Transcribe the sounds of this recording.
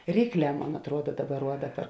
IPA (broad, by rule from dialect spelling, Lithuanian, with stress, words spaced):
ˈrʲiːkˌlʲɛː ˈmoːn ɐtˈruɔdɐ ˈdɑːˌbɐr ˈruɔdɐ pʲɛr